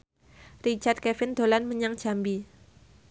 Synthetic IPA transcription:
rit͡ʃard̪̚kɛfɪnd̪̥olanməɲaŋ̥d͡ʒ̥a̤mbi

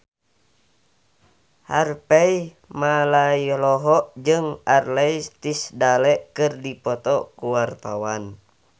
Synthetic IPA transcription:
harpɛi | malailɔɦɔʔd͡ʒɨŋarlɛit̪isdalɛʔkɨrdipɔt̪ɔkuwart̪awan

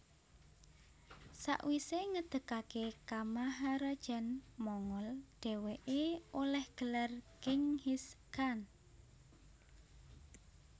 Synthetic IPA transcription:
sa̰ʔwiseŋəd̪̥ə̤kakekamaɦaɾad̥ʒ̥ɛnmɔŋɔlɖ̪̥ɛ̤weʔeolɛhɡ̥ə̤larkɪŋhiskan

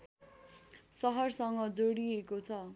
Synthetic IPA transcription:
sʌɦʌrsʌŋɡʌd͡zoɽiekot͡sʰʌ

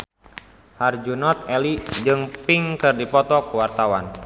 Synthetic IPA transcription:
hard͡ʒunɔt̪̚ɛlid͡ʒɨŋpiŋkɨrdipɔt̪ɔkuwart̪awan

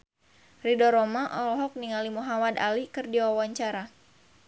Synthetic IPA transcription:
ridɔɾɔmaʔɔlɔɦɔk̚niŋalimuɦamada̰likɨrdiwawaɲt͡ʃaɾa

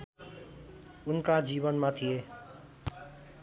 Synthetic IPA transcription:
ʊnkad͡ʒiːbʌnmãt̪ʰije

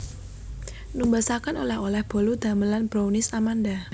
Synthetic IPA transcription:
numbasakanolɛɦolɛhb̥o̤lud̪̥a̤məlanb̥ɾownɪsamanda

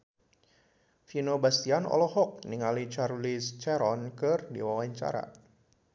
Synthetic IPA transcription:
finobast̪ianɔ̰lɔhɔk̚niŋalit͡ʃarlist͡ʃɛɾɔnkɨrdḭwawaɲt͡ʃa̰ɾa̰

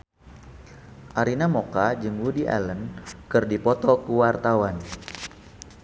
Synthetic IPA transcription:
ʔaɾinamokad͡ʒɨŋwudiʔa̰lənkɨrdipɔt̪ɔkuwart̪awan

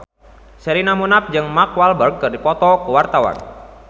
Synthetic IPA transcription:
sɛɾinamunap̚d͡ʒɨŋmakwalbərɡ̚kːɨrdipɔt̪ɔkəwart̪awa̰n

